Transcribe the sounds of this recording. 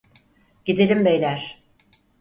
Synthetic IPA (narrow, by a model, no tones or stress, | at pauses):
ɟ̥id̪elʲimbejlʲæɾ̥